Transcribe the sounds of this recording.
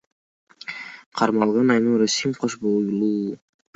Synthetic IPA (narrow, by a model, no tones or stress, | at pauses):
qʰɑɾmɑlˠʁɑnɑjnuɾusimqʰoʃbolˠɡlʲi